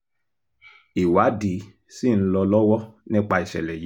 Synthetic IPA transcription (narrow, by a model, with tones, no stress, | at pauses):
i˨wa˨˦di˨˦ | si˦˨ñ̩˦lɔ˧lɔ˦wɔ˦nĩ˦k͡pa˧i˨ʃɛ̰˨lɛ˨ji˨˦